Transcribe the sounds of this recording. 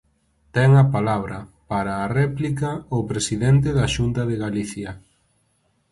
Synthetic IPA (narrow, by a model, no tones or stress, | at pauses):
t̪ɛŋɐpalaβ̞ɾɐpaɾaːrɛplikɐopɾesiðɛnt̪eðɐaʃunt̪ɐðeɣaliθjɐ